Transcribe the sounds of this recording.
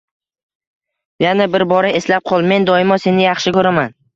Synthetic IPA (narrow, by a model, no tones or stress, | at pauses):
janabɪɾbɒɾae̞slap̚qʰɒlˠme̞nd̪ɒɪmɒse̞nɪjɑχʃɪkɵɾaman